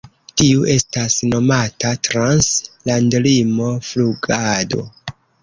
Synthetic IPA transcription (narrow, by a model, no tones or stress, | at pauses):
tiuʔe̞stasno̞matatɾanslandlimo̞fluɡado̞̰